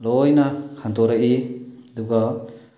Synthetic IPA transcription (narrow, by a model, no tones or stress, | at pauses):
lɔjnakʰant̪ɔɾaʔid̪uɡa